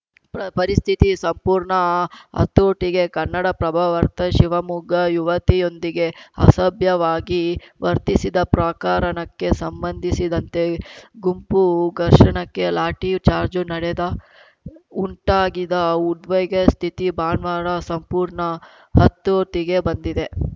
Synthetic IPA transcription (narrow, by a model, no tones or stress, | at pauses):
ppɐɾist̪ʰit̪isɐmpuːɾɳɐɦɐ̰t̪ːoːʈiɡe̞kɐnːɐɽɐpɾɐbʱaʋɐɾt̪ɐʃiʋɐmuɡʱɐjuʋɐt̪ijo̞nd̪iɡe̞ɐ̰sɐbjɐʋaːɡiʋɐɾt̪isid̪ɐpɾaːkaːɾɐnɐkːe̞sɐmbɐnd̪ʱisid̪ɐnt̪e̞ɡumpuɡɐɾʂɐɳɐkːe̞laːʈit͡ʃaːɾd͡ʒunɐɽed̪ɐ | uɳʈaːɡid̪ɐud̪ʋɐjɡɐst̪ʰit̪ibaːnʋaːɾɐsɐmpuːɾɳɐ | ɦɐt̪ːoːʈiɡe̞bɐnd̪id̪e̞